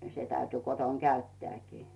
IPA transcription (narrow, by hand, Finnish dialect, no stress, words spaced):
se tæyty koton kæytːeæˑkiː